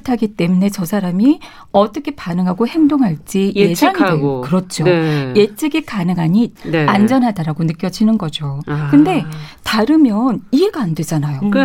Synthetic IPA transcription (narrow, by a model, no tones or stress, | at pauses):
tʰaɡit͈e̞mune̞t͡ɕʌsʰaɾami | ʌt͈ʌkʰe̞panɯŋɦaɡohe̞mdoŋɦaɭt͡ɕ͈iesʰaŋideokɯɾʌt͡ɕ͈ʰoje̞t͡ɕ͈eɡekanɯŋɦaɲid̚nand͡ʑʌnɦadaɾaɡonɯk͈jʌd͡ʑinɯnɡʌd͡ʑokɯnde̞taɾɯmjʌnie̞ɡaːnde̞d͡ʑanajo